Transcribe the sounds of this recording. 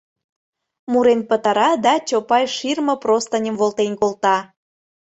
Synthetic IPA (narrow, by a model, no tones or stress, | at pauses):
muɾenpət̪ɑɾɑd̪ɑt͡ɕopɑjʃirmə̆prost̪ənʲəmvolˠt̪enʲkolt̪ɑ